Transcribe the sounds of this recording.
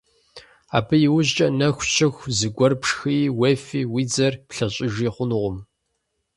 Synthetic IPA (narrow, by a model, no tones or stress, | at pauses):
a̰ːbɨjɪwʊʑt͡ʃʼɐnɐxʷt͡ʃʰɐxʷzɨɡʷɔrpʂxɨjwefiːwiːd͡zɐrpɬɐɕʼɪʒiːχʷʊnɨʁʷʊm